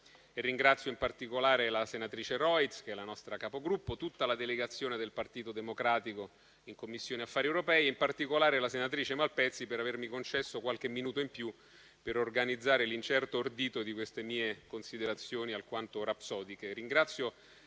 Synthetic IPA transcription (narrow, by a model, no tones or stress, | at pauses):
erːiŋɡɾat̪sːjoimpart̪ikolaːɾelasenat̪ɾiːt͡ʃeɾɔjt̪sk̟eɛlanɔst̪ɾakapoɡɾupːot̪ut̪ːalad̪eleɡat̪sːjoːned̪elpart̪iːt̪od̪emokɾaːt̪iko | iŋkomːisːjoːniafːaːɾiewɾopɛːjeimpart̪ikolaːɾelasenat̪ɾiːt͡ʃemalpɛt̪sːipeɾavermikont͡ʃɛsːokwalk̟emːinuːt̪oimpju | peɾorɡanid̪zːaːɾelint͡ʃɛrt̪oːrd̪iːt̪od̪ikwest̪emiːekonsid̪eɾat̪sːjoːnialkwant̪oɾapsɔːd̪ikeriŋɡɾat̪sːjo